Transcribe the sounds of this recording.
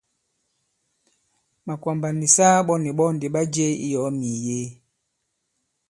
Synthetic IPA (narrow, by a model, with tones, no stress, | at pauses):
ma˨kwa˨mba˨ni˨sa˦ɓɔ˦ni˨ɓɔ˦ndi˨ɓa˦d͡ʒe˦ḭ˦jɔ˨˦mi˨je˦